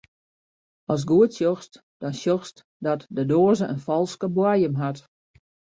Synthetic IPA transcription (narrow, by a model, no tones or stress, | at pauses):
ɔlˠs̬ɡuətsjoxst | d̥ɔnsjoxst | dɔtdədoːəzəʔənfɔlˠskəbwajəmɦat